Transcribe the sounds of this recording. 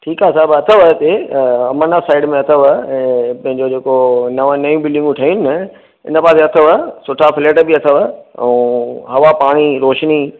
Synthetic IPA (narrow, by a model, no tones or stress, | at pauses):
ʈʰiːkaːsaːbɐt̪ʰəʋət̪eɐmənafsaːɪɖmẽɐt̪ʰəʋə̃ːpɐ̃ɦɪ̃ɲd͡ʑod͡ʑeːkonɐʋə̃nɐjũbɪlɖɪ̃ŋɡũʈʰɐinɪnə | ɪ̰nəpaːseɐt̪ʰəʋəsʊʈʰafɪleːʈbiɐt̪ʰəʋəɛ̰̃ɦɐʋapaːɽ̃iɾoːʃni